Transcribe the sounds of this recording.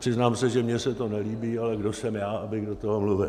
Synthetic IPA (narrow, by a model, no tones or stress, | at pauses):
pr̥ɪznaːmsɛʒɛmɲɛsɛt̪o̞nɛliːbiːalɛɡdosɛmjaːʔabɪɣdot̪oɦomluvɪl